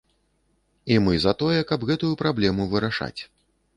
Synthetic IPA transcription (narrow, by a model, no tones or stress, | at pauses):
imɨzɐt̪ɔjɛkɐbɣɛt̪ujupɾablʲɛmuvɨɾaʂa̰t͡sʲ